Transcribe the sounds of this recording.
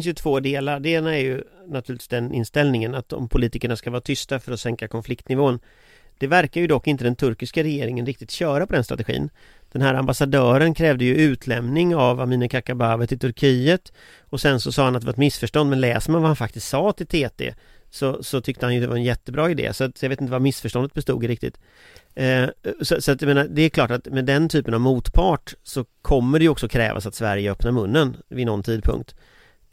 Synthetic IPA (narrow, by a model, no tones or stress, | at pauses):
nsjɵt̪ʰv̥oːd̪eːlaɖeːnaɛɾjɵnat̪ʰʉ̟ːɾɪt̪v̥ːsd̪ɛnɪ̰nst̪ɛlnɪŋənat̪ɔ̰mpʰʊliːt̪ɪkəɳaskavɑːɾat̪ʰʏst̪afœɾɔsɛŋkakʰɔnflɪkt̪nɪvoːn | d̪̥ɛvæɾkaɾjɵd̪ɔkːɪnt̪əd̪ɛnt̪ʰɵɾkɪskaɾɛjeːɾɪŋənɾɪkt̪ɪt̪ɕœːɾapʰɔd̪ɛnst̪ɾa̰t̪ɛɧḭːn | d̪̥ɛnɦæːɾambasad̪œːɾənkʰɾɛːvd̪əjɵʉ̟ːt̪ʰlɛmnɪŋavamiːnəkʰakabavət̪ʰɪlt̪ʰɵɾkʰiːət̪ | ɔsɛnsɔsɑːhanat̪d̪ɛvaɾɛt̪mɪsfœʂʈɔnd̪mɛnlɛ̰ːsəɾmanvahanfak̚t̪ɪst̪sɑːt̪ʰɪlt̪ʰeːt̪ʰḛsɔsɔt̪ʰʏkt̪əhanjɵd̪ɛvaɾɛnjɛt̪ːəbɾɑːɪd̪ḛːsɔat̪jɑveːt̪ɪnt̪əvaɾmɪsfœʂʈɔnd̪ət̪bɛst̪ṵːɡɾɪk̚t̪ɪ̰t̪ | ssɔat̪jɑmeːnaɾd̪ɛːɾkʰlɑːʈat̪mɛd̪ɛnt̪ʰyːpənavmuːt̪pʰɑːʈsɔkʰɔmːəɖɛjɔksɔkʰɾɛ̰ːva̰sat̪svæɾjəœpnaɾmɵnːənvɪnɔnt̪ʰiːd̪̚pʰɵ̰ŋk̚t̪